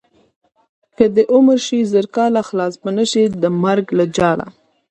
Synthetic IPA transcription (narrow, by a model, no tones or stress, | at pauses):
kəd̪əʔʊməɾʃizəɾkɑlaxlɑsbənəʃid̪əmaɾɡlad͡ʒɑla̰